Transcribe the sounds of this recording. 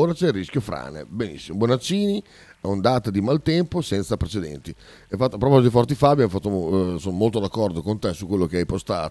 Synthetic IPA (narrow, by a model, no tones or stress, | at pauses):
oːɾat͡ʃɛrːisk̟jofɾa̰ːnḛbenḭsːimobonat͡ʃːiːni | aond̪aːt̪ad̪imalt̪ɛmposɛnt̪sapɾet͡ʃed̪ɛ̰nt̪i | efat̪ːapːɾɔpɔzd̪ifɔrt̪ifaːbjamfat̪ːosonmolt̪od̪akːɔrd̪okont̪ɛsukːwelːokeajpost̪a̰ːt̪